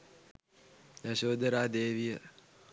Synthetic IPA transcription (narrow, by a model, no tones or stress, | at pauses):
jaɕoːd̪əɾaːd̪eːʋijə